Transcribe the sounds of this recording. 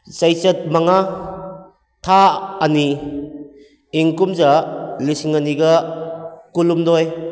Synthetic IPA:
t͡ʃajt͡ʃɐt̚maŋa | tʰaːni | iŋkumzalisiŋaniɡɐ | kulumdɔj

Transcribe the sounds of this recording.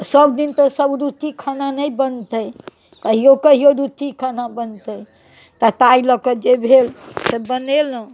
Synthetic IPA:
səbd̪int̪əsəbɾut̪ikʰananəjbənt̪əj | kəɦijokəɦioɾut̪ikʰanabənt̪ə | t̪at̪ailəkəd͡ʒebʱelsebənel̃

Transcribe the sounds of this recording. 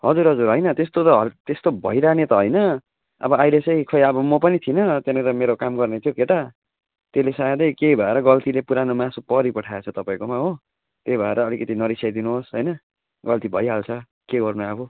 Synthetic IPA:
ɦʌd͡zuɾɦʌd͡zuɾɦʌjnʌt̪est̪ot̪ʌɦt̪est̪obʱʌiɾanet̪ʌɦʌjnʌ | ʌ̰bʌajlet͡sʌj̃kʰʌjʌbʌmopʌnit̪ʰinʌt̪jenẽɾʌmeɾokamɡʌrnet̪ʰjokeʈa | t̪elesad̪ʌjkejbʱʌeɾʌɡʌlt̪ilepuɾanomãsopʌɾipʌʈʰaet͡sʰʌt̪ʌpaĩkomaɦo | t̪ejbʱʌeɾʔʌːlikʌt̪inʌɾisjajd̪inuɦosɦʌjnʌ | ɡʌlt̪ibʱʌjɦalt͡sʰʌ | keɡʌrnuabo

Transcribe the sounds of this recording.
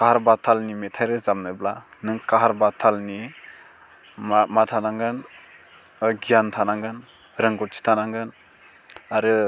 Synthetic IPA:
kaɦaɾbatʰalnimetʰajɾɯzamnɯblanɯŋkaɦaɾbatʰalni | matʰanaŋɡɯn | ɡijantʰanaŋɡɯn | ɾɯŋɡɔt̚t͡ʃʰi̥tʰanaŋɡɯn | aɾɯ

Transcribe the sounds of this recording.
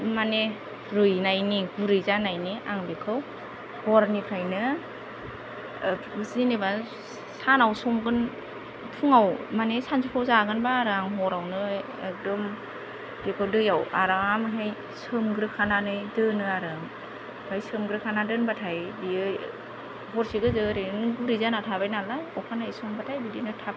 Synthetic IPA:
mane | ɾɯjnajniɡuɾɯjzanajniʔaŋbekʰɯw | hɔɾnipʰɾajnɯ | bɯsineba | sanawsɔŋɡɯn | pʰuŋawmanesanzupʰɔwzaɡɯnbaːɾɯaŋɦɔɾawnɯ | ek̚dɔm | d̥ekʰawdɯjawaɾaamɯɦej | sɯmɡɯɾɯkʰananɯjdɯnɯaɾɯŋ | hajsɯmɡɾɯkʰanadɯnbatʰajbiɯ | ɦɔɾsiɡɯzɯɾeɯnɡuɾizanatʰabajnalajɔwpʰanajsɔŋbatʰajbidinɯtʰap̚

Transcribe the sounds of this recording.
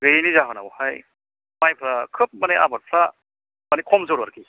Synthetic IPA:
ɡɯjnizaɦɯna̰whaj | majpʰɾakʰɯp̚maneʔa̰baɾpʰɾa | manikʰɔmzɯɾaɾki

